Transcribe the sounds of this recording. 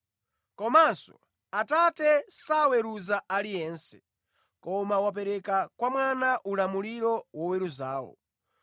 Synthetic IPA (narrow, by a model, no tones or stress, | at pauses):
kɔmansɔ̰ | atatɛsawɛɾuzaʔalijɛːnsɛ̥ | kɔmawap̬ɛɾɛkakwamwanaʔulamuliɾɔwɔwɛɾuzaːwɔ̰